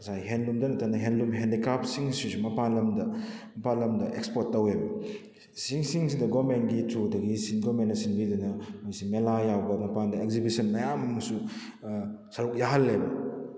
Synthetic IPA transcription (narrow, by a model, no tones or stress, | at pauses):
kɐsajɦenlumdɐnɐtʰanɐɦenlumɦendikap̚siŋsisumɐpanlɐmdɐmɐpalɐmdɐʔekspot̚ːɐwebɐ | siŋsiŋsidɐɡomentɡitudɐɡisinɡomentːnɐsinbidunɐmojsimelajawbɐmɐpandɐekzibisɐnmɐjamɐɐŋsu | sɐɾuk̚jaɦɐlːebɐ